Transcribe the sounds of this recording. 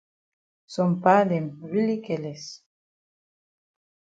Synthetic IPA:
sompademɾilikeles

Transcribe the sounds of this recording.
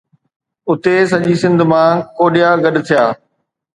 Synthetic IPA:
ʊt̪esɐʄiːsɪ̃nd̪ʱmãːkoːɗɪjaːɡɐɗt̪ʰijaː

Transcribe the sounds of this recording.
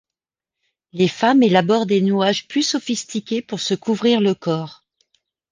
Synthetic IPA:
lefamelabɔʁd̪enyaʒplysɔfist̪ikʲepuʁsəkuvʁiʁləkɔːʁ

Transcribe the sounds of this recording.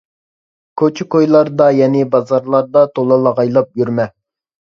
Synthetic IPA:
kʰøt͡ʃʰɪkojlˠɑɾd̪ɑjɛnɪbɑzɑɾlˠɑɾd̪ɑt̪ʰolˠɑlˠɑʁɑjlˠɑp̚jyɾmɛ

